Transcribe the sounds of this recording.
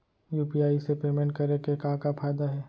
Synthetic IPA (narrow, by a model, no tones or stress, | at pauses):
juːpiaːisepeːmɛ̃ɳʈ̚kɐɾekekãːkafʰaːjd̪aɦɛː